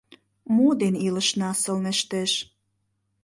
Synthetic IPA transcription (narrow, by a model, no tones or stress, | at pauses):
mod̪enilə̆ʃnɑsə̆lnĕʃt̪eʃ